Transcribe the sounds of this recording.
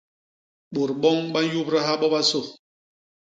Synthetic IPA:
ɓo˨ɾɓɔ˦ŋɓa˦ju˦pɾa˦ha˦ɓɔ˦ɓa˦so˦˨

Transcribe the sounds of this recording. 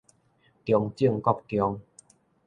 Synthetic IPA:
t̪jɔ˨˧ŋt͡ɕi˥˧əŋkɔ˥˧˩k̚t̪jɔ˨˧ŋ

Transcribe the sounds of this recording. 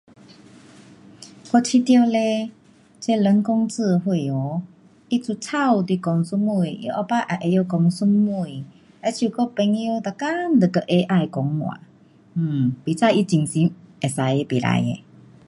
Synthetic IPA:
kɔ˧t͡ɕʰi˧t̪jo˧le˧ | t͡se˦lə˧˦ŋkɔ˦ŋt͡sɨ˧˨˧hwe˧˨o˨˦ | i˦t͡su˧t͡sʰa˥˧˨wt̪i˧kɔ˧ŋsu˦˥mːu˧˨jo̰˧˦ʔa˧pa˦ʔa˨ʔe˧jo˧kɔ˧ŋsu˦˥mmːu˧˨j | e˧˦t͡ɕʰju˧˨kɔ˦pe˧˦ŋjo˧˦t̪a˨˩ka˦nd̪ə˨kə˧˨ʔe˧˦ʔa˧jkɔ˨˦ŋmw̰ã̰˨˧˩ | pi˨t͡sʰa˥˧˨ʔi˦t͡ɕi˨˩ŋsi˧˦me˨sa˨˧˦je˧˦pi˨la̰˧˦jḛ˨

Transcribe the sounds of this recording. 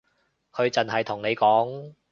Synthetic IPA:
kʰɵ˨˧ɥt͡sɐ˨nɦɐ˨jt̪ʰʊ˨˩ŋne˨˧jkɔː˨˥ŋ

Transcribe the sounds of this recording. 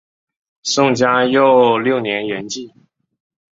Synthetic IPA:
sʊ˥˩ŋt͡ɕja˥jo˥˧ʊljo˥˩ʊnjɛ˧˥nɥɛ˧˥nt͡ɕi˥˩

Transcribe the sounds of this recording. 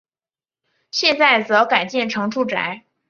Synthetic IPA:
ɕjɛ˥˧nt͡sa˥˩ɪt͡sɤ˧˥ka˨˩ɪt͡ɕjɛ˥˩nʈ͡ʂʰɤ˧˥ŋʈ͡ʂʰu˥˩ʈ͡ʂa̰˧˥ɪ

